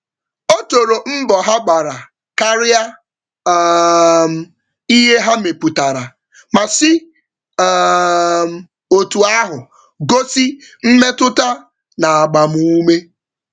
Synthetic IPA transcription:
o˦to˨ɾo˨m̩˦bɔ˨ɦa˦ɡ͡ba˨ɾa˨ | ka˦ɾɪ˦a˦˨ | m̩˨ | i˦ɦe˦ɦa˦me˨pu˨ta˨ɾa˨ | ma˨sɪ˦ | m̩˨ | o˨tu˨a˦ɦʊ˨ | ɡo˦si˦m̩˦me˦tʊ˦ta˦ | na˨a˨ɡ͡ba˨mu˦u˦me˦

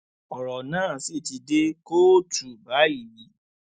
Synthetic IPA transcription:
ɔ˨ɾɔ˨nãː˦˨si˦˨ti˧de˦ko˦˨tu˨ba˨˦i˦˨li˨˦

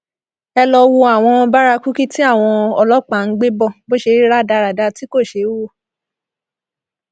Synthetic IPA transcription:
ɛ˧lɔ˧wo˧a˨w̃ɔ̃˧ba˦ɾa˧ku˦ki˦ti˦a˦˨w̃ɔ̃˧ɔ˧lɔ˦k͡pa˨ŋ̩˦ɡ͡be˦bɔ˦˨bo˦ʃe˧˦ɾi˦ɾa˦˨da˧ɾa˨da˨˧ti˦ko˦˨ʃe˨˦wo˦˨

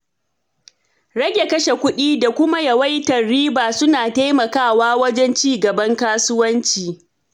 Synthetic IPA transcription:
ɽɐ˦ɡʲe˨kɐ˦ʃe˨kʷʊ˦ɗiː˦da˨kʷʊ˦ma˦jɐ˨wa˦jtɐ˨rːiː˦baː˨sʊ˦naː˨ta˦jmɐ˨kaː˦˨waː˦wɐ˦d͡ʒɛ˦nt͡ʃiː˦ɡɐ˨bɐ˦ŋkaː˦sʊ˦wɐ˦nt͡ʃiː˨

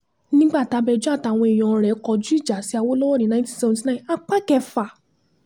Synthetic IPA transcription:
nĩ˦ɡ͡ba˦˨ta˨˧bɛ˧d͡ʒu˦a˦˨ta˧˨w̃ɔ̃˧i˨j̃ɔ̃˨˧ɾɛ˨˦kɔ˧˦d͡ʒu˦i˦˨d͡ʒa˨si˨˦a˧wo˦lɔ˦wɔ˦ɾĩ˨nã˧˦tĩ˦sɛ˧ɔ̃˧ti˧nã˦˨a˧k͡pa˦kɛ˧fa˨

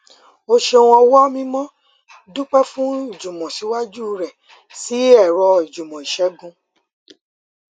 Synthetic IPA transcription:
o˧ʃe˧o˧w̃ɔ̃˧wɔ˦mĩ˦mɔ̃˦ | dũ˦k͡pɛ˦fũ˦i˦˨d͡ʒũ˨mɔ̃˨si˨˦wa˦d͡ʒu˦˧ɾɛ˨ | si˨˦ɛ˦˨ɾɔ˧i˨d͡ʒu˨mɔ̃˨i˨ʃɛ˨˦ɡũ˧

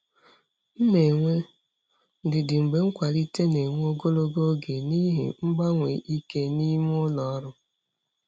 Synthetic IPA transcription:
m̩˦me˨ŋʷe˦ | dɪ˨dɪ˨ŋ͡m̩˨ɡ͡be˨ŋ̩˦kʷa˨li˦te˦ne˨ŋʷe˦o˦ɡo˦lo˦ɡo˦ɡe˨ni˦ɦḭ˨ŋ͡m̩˦ɡ͡ba˦ŋʷḛ˨ʔi˦ke˦ni˦m˦ʊ˦lɔ˨ɔ˦ɾʊ˦

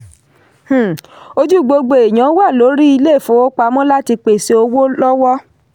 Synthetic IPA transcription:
h̩˨o˦d͡ʒu˦˨ɡ͡bo˧ɡ͡bo˨e˨j̃ã˨˦wa˦˨lo˨˦ɾi˦i˧le˦˨fo˨˦o˦k͡pa˧˦mɔ̃˦la˦ti˧k͡pe˨se˧o˧wo˦lɔ˦wɔ˦

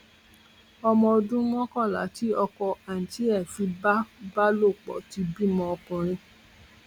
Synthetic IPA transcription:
ɔ˧mɔ̃˧o˧dũ˦mɔ̃˦kɔ̃˦˨la̰˨˦ti˦ɔ˧kɔ˧a˨n̩˨ti˨˦ɛ˦˨fi˧˦ba˦ba˦lo˦˨k͡pɔ̰˨˦ti˨˧bi˦mɔ̃˧ɔ˧kũ˧ɾ̃ĩ˧

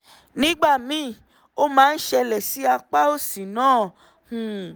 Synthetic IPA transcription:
nĩ˦ɡ͡ba˦˨mĩ˦˨ | o˦mãː˦˧n̩˦ʃɛ˧lɛ˨si˨˦a˧k͡pa˦o˦˨si˨nãː˦˨ | hũ˨

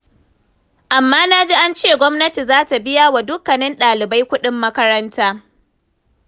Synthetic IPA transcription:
ʔa˨mːaː˦naː˦d͡ʒi˦ʔa˦nt͡ʃeː˦˨ɡʷɔ˦mnɐ˦ti˨zaː˦ta˨bɪ˦ja˦wa˨dʊ˦kːɐ˨nɪ˦nɗaː˨lɪ˨ba˦jkʷʊ˦ɗɪ˦mːɐ˦kɐ˦ɾɐ˦ntaː˦

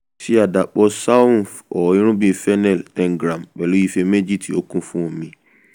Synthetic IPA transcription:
ti˦a˨da˨k͡pɔ˧sa˦˨θ | ɔ˨ĩ˦ɾ̃ũ˦bĩ˦fɛ˦nɛ˦˨lɛ̃˨ŋ˨ɡɾã˨mk͡pɛ˨lo˦ji˦fe˧me˦d͡ʒi˦˨tʰi˨o˦kũ˦fũ˦õ˨mĩ˨

